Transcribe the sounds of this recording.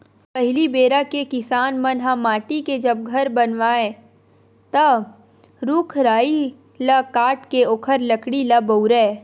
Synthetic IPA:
pəɦɪlibeːɾakekɪsaːnmənɦãmaːʈiked͡ʒəb̚ɡʱɐɾbənʋaːẽ | t̪ə | ɾukʰɾaːi | lakaːʈkeoːkʰəɾləkɽilabəwɾɛː

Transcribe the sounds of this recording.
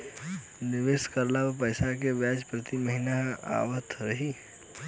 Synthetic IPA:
nɪʋeːskəɾlaːbpəjsak̬eʋjaːd͡ʒpɾət̪iməɦinaa̰ːʋət̪ʰɾəɦiː

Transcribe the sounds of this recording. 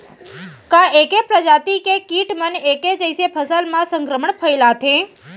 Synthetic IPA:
kãʔekepɾəd͡ʒat̪ikekiʈməneked͡ʒəjsepʰəsəlmãsəŋkɾəməɳpʰəjlat̪ʰẽ

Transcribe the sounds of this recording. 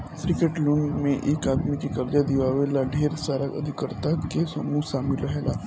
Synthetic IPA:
kɾɪkeʈloːnmẽʔeːkaːd̪mikekɐɾd̪ad̪iʋaːʋelaɖʱeːɾsaːɾakɐ̰d̪ʱɪkəɾt̪akesɐmuːsaːmɪlɾəɦela

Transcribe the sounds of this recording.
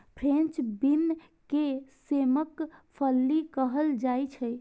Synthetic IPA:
pʰɾẽnt͡ʃbin | keseməkpʰəlːikəɦəld͡ʒajt͡ʃʰə

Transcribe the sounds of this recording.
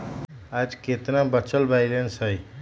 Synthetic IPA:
ad͡ʒket̪nabət͡ʃʰəlbajlensɦəj

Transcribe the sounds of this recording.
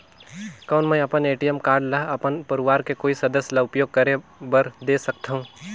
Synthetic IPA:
kɐːnmɛ̃ɐpəneːʈijəmkaːɾɖlaɦɐpənpɐɾʊʋaːɾkekoːisɐd̪əsjlaʊpjoːɡ̚kɐɾebɐɾd̪eːsɐk̚t̪aɦũː

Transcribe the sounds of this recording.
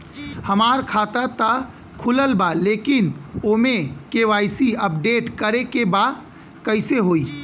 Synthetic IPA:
həmaːɾkʰaːt̪at̪a | kʰʊləlbaleːkɪnoːmẽkeʋaːɪsiəpɖeːʈkəɾekeba | kəɪseɦoːi

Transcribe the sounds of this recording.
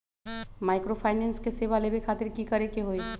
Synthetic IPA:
maːɪkɾopʰaːɪnɛ̃nskeseːʋalebʱikʰaːt̪ɪɾkikəɾekeɦoi

